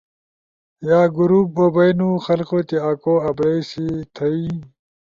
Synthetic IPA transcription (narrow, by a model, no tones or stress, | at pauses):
jaːɡuɾuːp̚ːobɐjnuxɐlqot̪iaːkoːɐbɽejsit̪ʰɐi